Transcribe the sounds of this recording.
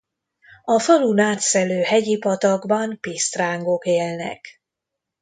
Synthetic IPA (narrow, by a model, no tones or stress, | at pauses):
ɒfɒlunaːt̪sɛløːhɛɟipɒt̪ɒɡbɒnpist̪raːŋɡo̞keːlnɛ̰k